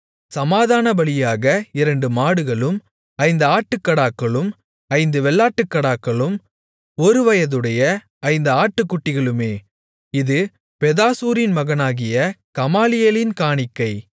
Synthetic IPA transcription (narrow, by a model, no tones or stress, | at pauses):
sɐmaːðaːnɐbɐɭɪjaːɣɐɪɾɐɳɖɯmaːɽɯɣɐɭɯm | ɐɪnd̪ɐaːʈːɯkːɐɽaːkːɐɭɯm | ɐɪnd̪ɯʋɛɭːaːʈːɯkːɐɽaːkːɐɭɯm | ɔɾɯʋɐjɐðɯɽɐjɐ | ɐɪnd̪ɐaːʈːɯkːʊʈːɪɣɐɭɯmeː | ɪðɯ | pɛðaːsuːɾɪnmɐɣɐnaːɣɪjɐkɐmaːlɪjɐlɪnkaːɳɪkːɐɪ